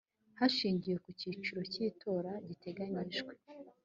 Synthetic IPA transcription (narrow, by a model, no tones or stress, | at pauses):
haʃiːɲɟije̞kuciːt͡ʃuɾo̞ciːtʰo̞ɾaɟite̞ɡaɲiʒɡwe̞